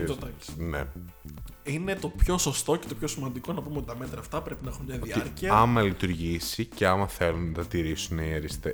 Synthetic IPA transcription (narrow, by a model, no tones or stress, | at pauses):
d̪ɐsnḛ | ine̞t̪o̞pço̞so̞st̪o̞ce̞t̪o̞pço̞simɐnd̪iko̞nɐpumeot̪i̥t̪ɐme̞t̪ɾɐːft̪ɐpɾe̞pinɐexunmɲɐðiɐɾciɐɐmɐlit̪uɾʝisiceɐmɐθe̞lunnɐt̪ɐt̪iɾisunieɾist̪e